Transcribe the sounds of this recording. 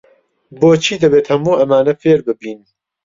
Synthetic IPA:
boːt͡ʃʰiːd̪ɐbeːt̪hɐmuːʔɐmaːnɐfeːɾbɨbiːn

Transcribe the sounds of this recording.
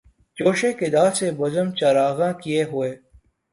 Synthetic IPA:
t͡ʃoːʃekɪd̪aːɾsebɐzəmt͡ʃɐɾaːɣãːkieɦʊeː

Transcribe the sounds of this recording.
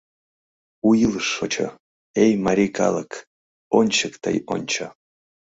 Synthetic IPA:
ujilʂːot͡ʃʰə̰ | ejmaɾʲikʰɑ̰lˠək | onʲt͡ʃəkt̪ə̰jo̰nʲt͡ʃʰa

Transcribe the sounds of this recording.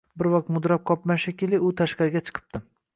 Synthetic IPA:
bɪɾvɒq̚t̪mʊd̪ɾap̚qʰɒpmaʃakʲɪlɪʊt̪ʰaʃqɑɾɡʲat͡ʃʰɨ̥qʰɨ̥p̚t̪ɪ

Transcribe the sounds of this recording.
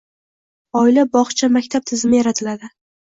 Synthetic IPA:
ɒɪlabɒχt͡ʃʰamakʲt̪ʰap̚t̪ʰɪzɪmɪjaɾat̪ʰɪlad̪ɪ

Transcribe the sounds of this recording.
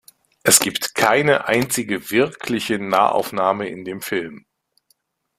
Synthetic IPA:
ʔɛsɡ̥iːptkʰaɪnəʔaɪnt͡sɪɡəvɪɐkʰlɪçənaːʔa̰ʊfnaːməʔɪ̰ndeːmfɪlm

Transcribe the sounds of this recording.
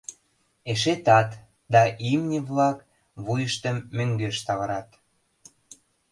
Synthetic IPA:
eʃ̬et̪ɑt̪ | d̪ɑʔimnʲiβlɑk | βujəʃt̪əmːøŋɡeʃt̪ɑβəɾɑt̪

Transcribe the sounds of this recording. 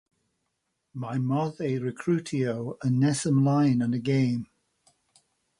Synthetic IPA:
maɪmɔðeɹɪkʰɹ̥ʉˑtʰioʊənːɛsə̃mlaɪnə̃nəɡẽɪ̃m

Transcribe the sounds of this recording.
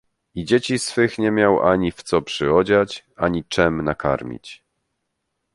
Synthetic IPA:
id͡ʑet͡ɕisfɘxɲɛmʲjawa̰ɲift̪sɔpʂɘɔd͡ʑat͡ɕaɲit͡ʂɛmnaka̰ɾmʲḭt͡ɕ

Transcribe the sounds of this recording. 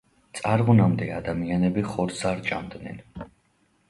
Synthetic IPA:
t̪sʼaɾʁunamd̪ɛad̪amianɛbiχɔɾsaɾt͡ʃʼamd̪nɛ̰n

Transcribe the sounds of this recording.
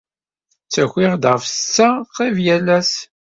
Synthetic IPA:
t͡sːæxʷɪʁd̪ʁfət͡sːæqːivjælæs

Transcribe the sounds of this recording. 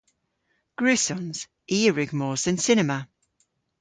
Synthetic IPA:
ɡ̥ɹʉsɔ̃nz̥ | iːɹɪɡmɔːzə̃nsɪnɛmə

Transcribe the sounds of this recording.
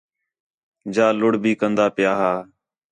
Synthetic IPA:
d͡ʒaːlʊɽbiːkənd̪aːpɪjaːɦaː

